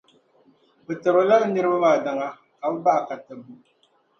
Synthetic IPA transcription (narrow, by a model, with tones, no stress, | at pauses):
bɨ˨tɨ˨bɨ˨la˦lnɨ˦ɾɨ˦ba˦maː˨da˨ŋa˦ | ka˨b̩˦ba˦ʔka˨tɨ˨bu˦